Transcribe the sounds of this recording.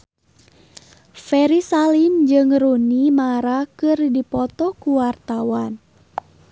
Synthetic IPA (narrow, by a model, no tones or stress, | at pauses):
fɛɾisalind͡ʒɨŋrunimaɾakɨrdipɔt̪ɔkuwart̪awan